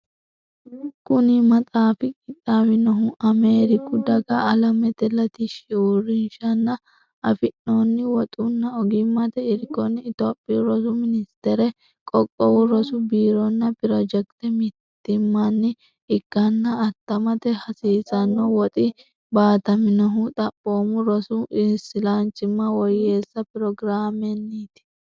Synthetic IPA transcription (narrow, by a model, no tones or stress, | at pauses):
kʊnɪmɐt̪ʼaːfɪkʼɪt̪ʼːawɪnɔɦʊʔɐmeːɾɪkʊd̪ɐɡɐɐlɐmɛt̪ɛlɐt̪ɪʃɪurɪnʃɐnːɐ | ɐfɪnonːɪwɔt̪ʼʊnːɐɔɡɪmːɐt̪ɛɪɾɡɔnːɪːt̪oːpʼːiɾɔsʊmɪnɪst̪ɛɾɛ | kʼɔkʼːɔwʊɾɔsʊbiːɾɔnːɐpɪɾɔd͡ʒɛkt̪ɛmɪt̪ːɪmːɐnːɪ | ɪkːɐnːɐɐt̪ːɐmɐt̪ɛhɐsiːsɐnːɔwɔt̪ʼɪ | baːt̪ɐmɪnɐɦʊt̪ʼɐpʼːo̞ːmʊɾɔsʊʔɪnsɪlant͡ʃːɪmːɐwɔjːe̞ːsːɐpɪɾɔɡɪɾaːmɛnːiːt̪ɪ̥